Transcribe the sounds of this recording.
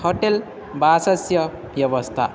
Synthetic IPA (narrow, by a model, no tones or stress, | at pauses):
hoʈel | basʌsjʌ | bjʌβʌst̪ʰa̰